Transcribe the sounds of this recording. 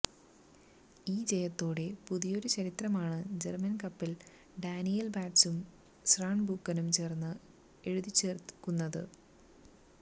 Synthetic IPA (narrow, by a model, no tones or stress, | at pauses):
iːd͡ʑejɐt̪ːo̞ːɽe̞puðijo̞ɾut͡ɕɐɾit̪rɐmaːɳɨd͡ʑḛrmɐnkɐpːil | ɖaːnijɐlbaːʈsum | sraːɳbukːɐnumt͡ɕe̞ːrnːɨ | e̞ɻuðit͡ɕːe̞ːrkːunːɐðɨ̰